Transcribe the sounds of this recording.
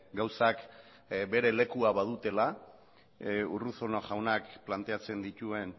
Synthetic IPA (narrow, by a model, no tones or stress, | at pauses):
ɡawsak | be̞ɾe̞le̞kuaβað̞ut̪e̞la | uruθonoʝawnakplant̪e̞at͡se̞nd̪it̪ue̞n